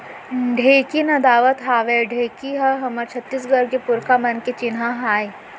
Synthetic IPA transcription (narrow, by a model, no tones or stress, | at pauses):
ɖʱeːkinɐd̪aːʋət̪ɦaːʋeɖʱeːkiɦɐɦɐmɐɾt͡ʃʰɐt̪ːiːs̬ɡɐɾkepʊɾkamɐnket͡ʃɪnɦaɦaːj